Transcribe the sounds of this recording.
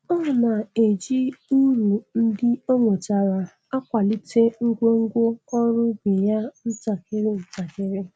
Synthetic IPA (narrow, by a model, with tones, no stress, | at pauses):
ɔ˦˨na˨e˨d͡ʒi˦u˦ɾu˨n̩˦dɪ˦ɔ˦ŋʷo˨t͡ʃa˨ɾa˨ | a˦kʷa˨li˦te˦ŋ̩˦ɡʷo˦ŋ̩˦ɡʷo˦ɔ˦ɾʊ˦bɪ˨ja˦n̩˦ta˨kɪ˦ɾɪ˦n̩˨ta˨kɪ˦ɾɪ˦